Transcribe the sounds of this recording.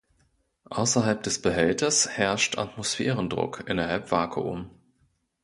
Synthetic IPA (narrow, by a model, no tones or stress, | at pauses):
ʔaʊsɐɦalp̚d̥ɛsb̥əɦɛltɐshɛɐʃtʰa̰tmosfɛːʁəndʁʊ̰kʰʔɪnɐɦalpv̥aːkʰə̰ʔʊ̰m